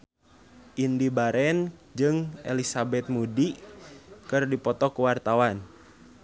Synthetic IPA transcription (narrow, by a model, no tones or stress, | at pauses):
ʔindibaɾɛnd͡ʒɨŋɛ̰lisabɛt̪̚mudi | kɨrdipɔt̪ɔkuwart̪awan